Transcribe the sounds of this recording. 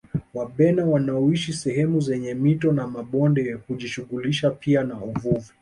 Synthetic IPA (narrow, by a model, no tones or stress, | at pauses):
waɓɛnawanaɔiʃisɛɦɛmuzɛɲɛmitɔnamaɓɔndɛhuʄiʃuɣuliʃapʰianauvuvi